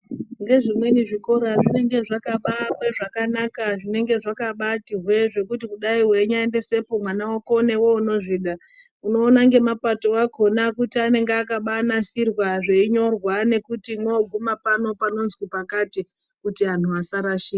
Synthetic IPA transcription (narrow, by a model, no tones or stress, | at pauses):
ŋɡe̞ʐimwe̞niʐikoɾaʐine̞ŋɡe̞ʐakaɓamweʐakanakaʐine̞ŋɡe̞ʐakaɓatiɦwe̞ʐe̞kutikuɗaiwe̞ɲaende̞se̞po̞mwanawokone̞wo̞uno̞ʐiːɗa | uno̞ːnaŋɡe̞mapato̞akʰo̞nakutiane̞ŋɡeakaɓanasirwaʐeiɲo̞rwane̞kutimwoːɡʱumapano̞pano̞nzkupakati | kutian̤uasaɾaʃiːka